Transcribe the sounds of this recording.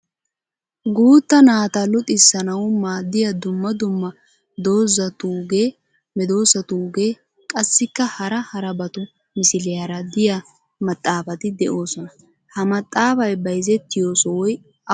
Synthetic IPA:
ɡuːt̪ːɐnaːt̪ɐlʊt̪ʼɪsːɐnɐwʊmaːd̪ːɪjɐd̪ʊmːɐd̪ʊmːɐ | d̪o̞ːzɐt̪uːɡeː | mɛd̪o̞ːsɐt̪uːɡe̞ː | kʼɐsːɪkːɐhɐɾɐhɐɾɐbɐt̪ʊ | mɪsɪlɛjɐɾɐd̪ɪja | mɐt̪ʼːaːfɐt̪ɪd̪ɛʔo̞ːsɔnɐ | hɐmɐt̪ʼːaːfɐjbɐjzɛt̪ːɪjo̞ːsɔwɔj | ɐ

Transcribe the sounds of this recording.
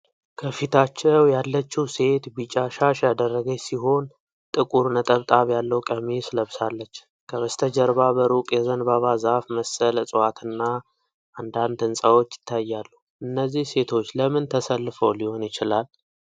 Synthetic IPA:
kʰəfit̪ʰat͡ʃːɛwjalːət͡ʃːiwse̞t̪bit͡ʃʼːaʃaʃjad̪ərːəɡəsiɦo̞n | t̪ʼɨkʼuɾnət̪ʼəβt̪ʼaβjalːəwkʼəmisləβsalːət͡ʃː | kʰəβəst̪ʰəd͡ʒəɾbabəɾukʼjɛzənbaβazafməsəlsʼɨwat̪ʰɨnːa | ʔand̪ant̪ʰɨnsʼawo̞t͡ʃːjɪ̥t̪ʰːajːalːu | ʔɨnːəzːihse̞t̪ʰo̞t͡ʃːləmɨnt̪ʰəsəlːɨfəwliho̞njɪt͡ʃɪlal

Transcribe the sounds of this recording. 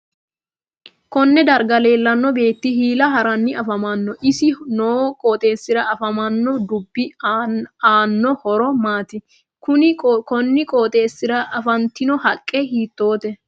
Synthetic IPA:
kɔnːɛd̪ɐɾɡɐle̞ːlːɐnːɔbe̞ːt̪ːɪhiːlɐɦɐɾɐnːɪɐfɐmɐnːɔʔɪsɪnoːkʼoːt̪ʼe̞ːsːɪɾɐɐfɐmɐnːɔd̪ʊbːɪ | aːnːɔhɔɾɔmaːt̪ɪ | kʊnɪkɔnːɪkʼoːt̪ʼe̞ːsːɪɾɐʔɐfɐnt̪ɪnɔhɐkʼːɛhiːt̪ːo̞ːt̪ɛ

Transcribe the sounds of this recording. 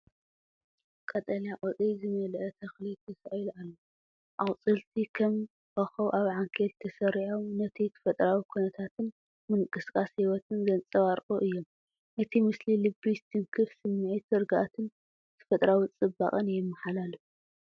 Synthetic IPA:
kʼɐt̪ʼɐljakʼot͡sʼizɨmɐlʔɐt̪ʰɐxlit̪ʰɐsaʔlalːo | ʔawt͡sʼɨlt̪ʰikʰɐm | ʔɐxɐwʔaβʕaŋkʰelt̪ʰɐsɐɾiʕomnɐt̪ʰit̪ʰɨ̥fɐt̪ʼɾawikʰunɐt̪ʰat̪ʰɨn | mɨŋkʼɨskʼashiwɐt̪ʰɨnɡɐnt͡sʼɐβaɾkʼoʔɨjːom | ʔɨt̪ʰimɨslilɨbist̪ʰɨŋkʰɨfsɨmːɨʕit̪ɨɾɡaʔat̪ʰɨn | t̪ʰɨ̥fɐt̪ʼɾawit͡sʼɨbːa̰χʼɨnjɛmːɐħalalu

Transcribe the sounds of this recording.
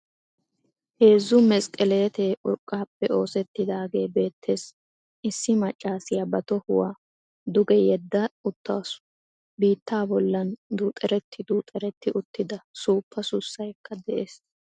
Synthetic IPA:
he̞ːzːʊmɛsʼkʼɛle̞ːt̪eʔʊɾkʼːaːpːɛʔo̞ːsɛt̪ːɪd̪aːɡe̞ːbe̞ːt̪ːe̞ːs | ʔɪsːɪmɐt͡ʃʼːaːsɪjɐbɐt̪ɔhʊwaː | d̪ʊɡɛjɛd̪ːɐʊt̪ːa̰wsʊ | biːt̪ːaːbɔlːɐnd̪uːt̪ʼɛɾɛt̪ːɪd̪uːt̪ʼɛɾɛt̪ːɪʔʊt̪ːɪd̪ɐsuːpːɐsʊsːɐjkʰːɐd̪ɛʔe̞ːs

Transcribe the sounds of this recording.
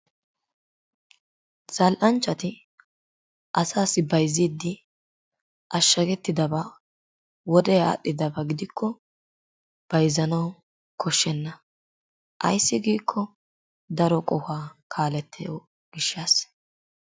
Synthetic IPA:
z̥ɐlʔɐnt͡ʃːɐt̪ɪ | ʔɐsaːsɪbɐjziːd̪ːɪ | ʔɐʃːɐɡɛt̪ːɪd̪ɐba | wɔd̪ɛa̰ːɗːɪd̪ɐbɐɡɪd̪ɪkʰːɔ | b̥ɐjzɐnɐw | kʰɔʃːɛnːɐ | ʔɐ̰jsːɪɡiːkʰːɔ | d̪ɐɾɔkʼɔhaːkʰaːlɛt̪ːɛjo | ɡ̥ɪʃːɐs

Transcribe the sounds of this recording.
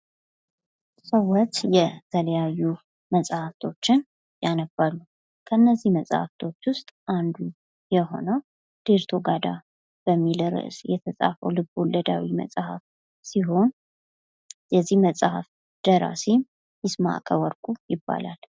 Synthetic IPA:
səwːɔt̪jɛt̪ʰələjajːu | məsʼhaft̪ʰo̞t͡ʃːɪn | janəbalːu | kʰəɨnːəzːihməsʼha̰ft̪ʰo̞t͡ʃːwʊst̪ʼʔand̪u | jɛɦo̞̰nəw | d̪̥eɾt̪ʰo̞ɡad̪a̰ | b̥əmːilɾɨ̰ʔsjɛt̪ʰəsʼa̰fə̰wlɨbolːəd̪a̰wimə̰sʼhaf | siɦo̞n | jɛzːihməsʼha̰f | d̪̥əɾa̰sem | jɪsma̰ʔkʰəwɔɾkʼujɪbːa̰lal

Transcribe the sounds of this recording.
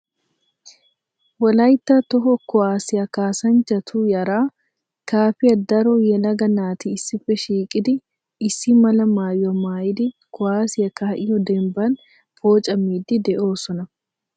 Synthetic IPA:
wɐlɐjt̪ːɐt̪ɔɦɔkɔwaːsɪjɐkaːsɐnt͡ʃːɐt̪ʰuːjɐɾaː | kaːfɪjɐd̪ɐɾɔjɛlɐɡɐnaːt̪iɪsːɪfɛʃiːkʼɪd̪ɪ | ɪsːɪmɐlɐmaːjɔmaːjɪd̪ɪkɔaːsɪjɐkɐhɐʔɪjɔd̪ɛmbɐn | fo̞ːt͡ʃʼɐmiːd̪ɪd̪ɛʔo̞ːsɔnɐ

